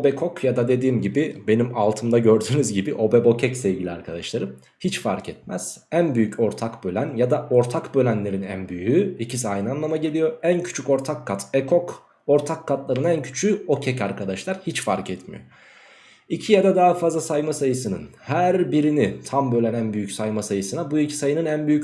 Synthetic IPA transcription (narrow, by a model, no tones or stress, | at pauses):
obɛkʰo̞kʰjad̪ad̪e̞d̪iːmɟibibe̞nimalˠt̪ʰɯmd̪aɟø̞ɾd̪yːnyzɟibiʔo̞bɛbo̞cʰɛcsɛvɟilʲiaɾkʰad̪aʃlˠaɾɯm | hit͡ʃfaɾcʰɛt̪̚mæ̰z̥ænbyjyco̞ɾt̪ʰakbø̞lʲænjad̪aʔo̞ɾt̪ʰakbø̞lʲænlʲe̞ɾinæ̰nbyjyicʰisiajnɯanlˠamaɟelʲijo̞æncʰy̥t͡ʃʰyko̞ɾt̪ʰakʰːat̪ʰɛkʰok | o̞ɾt̪ʰakʰːat̪lˠaɾɯnæncʰy̥t͡ʃʰyo̞cʰɛcaɾkʰad̪aʃlˠaɾhit͡ʃfaɾcɛt̪mḭjo | icʰijad̪ad̪aɦafazlˠasajmasajɯsɯnɯnhæɾbiɾinit̪ʰambø̞lʲænænbyjycsajmasajɯsɯnabuicʰi̥sajɯnɯnænbyjy